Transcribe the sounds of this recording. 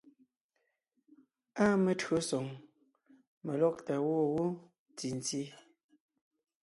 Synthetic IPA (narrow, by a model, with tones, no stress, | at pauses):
aː˦mə˨tɰo˨˦sɔ˨ŋ | me˨lɔ˦˨k̚ta˨wɔː˦wo˦ | ti˨n˨ti˦